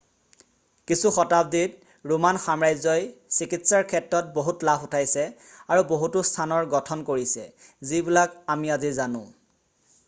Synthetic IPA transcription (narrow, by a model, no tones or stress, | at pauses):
kisuxɔtab̚dit | ɹumanxamɹajzɔjsikitsaɹkʰɛtɹɔt̚boɦutlafʰutʰajsɛ | aɹuboɦutʊstʰanɔɹɡɔtʰɔnkoɹisɛ̰zibilakamiazizanʊ̰̃